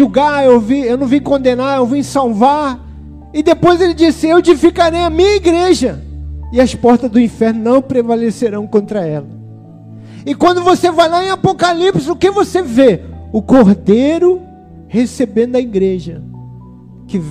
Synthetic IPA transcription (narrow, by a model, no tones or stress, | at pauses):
uɡaewviewnɐ̃w̃vĩkõnd̪ẽnaewvĩsawvaɾ | ɪd̪epojzelɪd͡ʒisɪewd͡ʒifikaɾejɐmĩɲɐiɡɾeʒɐɪɐspɔɾt̪ɐzd̪ʊĩfɛɾnʊnɐ̃w̃pɾevaleseɾɐ̃w̃kõnt̪ɾɐɛlɐ | ɪkwɐ̃nd̪ʊvosevajlaẽapokalipsʊkɪvoseveʊkoɾd̪ejɾʊ | hesebẽnd̪ʊɐiɡɾeʒɐ | kɪ